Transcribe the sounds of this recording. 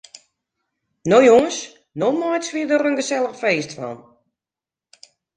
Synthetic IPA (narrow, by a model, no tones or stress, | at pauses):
nojoŋəs | nomɔjsʋiədərənɡəsɛlˠəxfeːstfɔ̰n